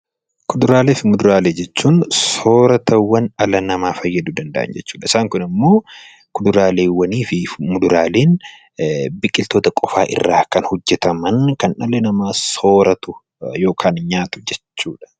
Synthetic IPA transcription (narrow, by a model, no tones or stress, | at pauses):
kʊd̪ʊɾaːle̞ːfɪmʊd̪ʊɾaːle̞ːd͡ʒɛt͡ʃːuːnso̞ːɾɐt̪ʰɐwːɐnɐlɐnɐmaːfɐjːɐd̪uːd̪ɐnd̪ɐʔɐ̰nd͡ʒɛt͡ʃːuːᶑɐɪsaːŋkʊnɪmːo̞ː | kʊd̪ʊɾaːle̞ːwɐniːfɪmʊd̪ʊɾaːleːn | bɪkʼːɪlt̪o̞ːt̪ɐkʼɔfa̰ːʔɪ̰rːaːkɐnhʊd͡ʒːɛt̪ɐmɐnkɐnʔɐlɛnɐmaːso̞ːɾɐt̪ʊ | jo̞ːkʰaːnɲaːt̪ʊ̥d͡ʒɛt͡ʃːuːᶑɐ̥